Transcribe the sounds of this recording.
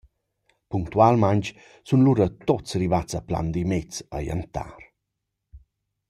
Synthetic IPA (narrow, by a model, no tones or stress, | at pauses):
puŋkt̪ualmaɲt͡ʃ | sunluɾət̪ot͡srivat͡səpla̰nd̪imet͡sə̰jə̰nt̪a̰ɾ